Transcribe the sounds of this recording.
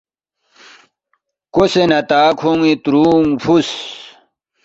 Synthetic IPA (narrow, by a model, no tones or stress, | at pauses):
kosenɐt̪aːkʰoŋit̪ɾuːŋfʰus